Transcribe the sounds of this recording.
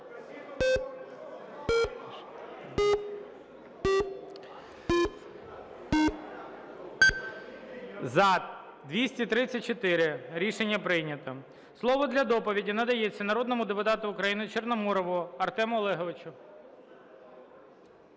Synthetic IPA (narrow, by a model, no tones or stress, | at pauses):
zɐ | d̪ʋʲisʲtʲit̪ɾɪt͡sʲɐt̚ʲt͡ʃɔt̪ɪɾɪɾʲiʃenʲːɐpɾɪjnʲɐt̪ɐ | slˠɔʋɔd̪lʲɐd̪ɔpɔʋʲidʲinɐd̪ɐjet͡sʲːɐnɐɾɔd̪nɔmʊd̪epʊt̪ɑt̪ʊːkɾɐjinɪt͡ʃernɔmɔɾɔʋʊɐrt̪ɛmɔlˠɛɦɔʋɪt͡ʃʊ